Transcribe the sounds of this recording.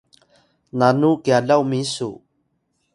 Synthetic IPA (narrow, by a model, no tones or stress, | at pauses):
nanukjalawmisṵ